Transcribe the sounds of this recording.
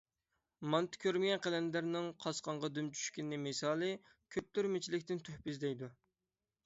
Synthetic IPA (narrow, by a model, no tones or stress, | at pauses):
mɑnt̪ɪ̥kʲʰøɾmɪjʲɛnqɛlɛnd̪æɾnɪŋqʰɑsqʰɑɴʁɑd̪ymt͡ʃʰy̥ʃkʲinːɪmɪsɑːlˠɨ | kʲʰøp̚t̪yɾmɪt͡ʃʰilɪkʲt̪ɪnt̪ʰøhpyzd̪ɛjd̪u